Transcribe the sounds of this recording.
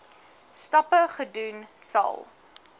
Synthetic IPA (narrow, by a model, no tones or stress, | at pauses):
stɔpəχədunsɐ̰lˠ